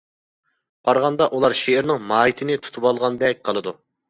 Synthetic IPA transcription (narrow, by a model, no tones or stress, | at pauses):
b̥ɑɾʁɑnd̪ɑʔulˠɑɾʃeːɾnɪŋmɑːit̪ʰɪnɪt̪ʰu̥t̪ʰubɑlˠʁɑnd̪ɛk̚ʲqʰəlˠɨd̪u